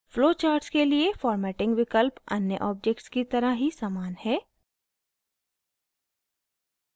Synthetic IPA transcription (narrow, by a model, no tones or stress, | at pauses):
floːt͡ʃaːɾʈskeliefɔːɾmɛːʈɪ̃ŋɡʋɪkəlpɐnjəʔɔːb̚d͡ʒɛkʈskit̪ɐɾəɦisaːmaːnhɛː